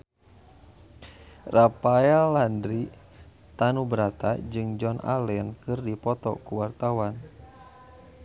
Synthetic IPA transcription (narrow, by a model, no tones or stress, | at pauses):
rapajalandɾi | t̪anubəɾat̪ad͡ʒɨŋd͡ʒɔnʔa̰lɛnkɨrdipɔt̪ɔ̰kuwart̪awan